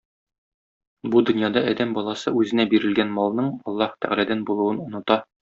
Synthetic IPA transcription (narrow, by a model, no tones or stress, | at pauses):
bud̪ɵ̆njɑd̪ɑɒd̪æmbɒlˠɑsɤʉzɘ̆næbiɾɘ̆lɡænmɒlˠnɤɴɒlˠːɑht̪ʰæ̰ʁɾæd̪ænbulˠŭwɤnŏnŏt̪ɑ